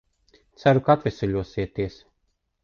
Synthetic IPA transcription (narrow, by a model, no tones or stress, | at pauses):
t̪sæɾukaat̪vʲɛsuʎʲuɔsiɛt̪iɛs